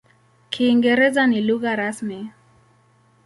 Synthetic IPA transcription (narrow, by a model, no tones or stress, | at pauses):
kʰiːŋɡɛɾɛzaniluɣaɾasmi